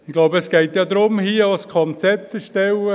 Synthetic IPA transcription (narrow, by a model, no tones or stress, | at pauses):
ɪɡ̥loʊbɛsɡ̥ɛɪt̪jɑːd̪ɾʊmhiːɑskʰɔnt͡sɛt͡səʃtɛwə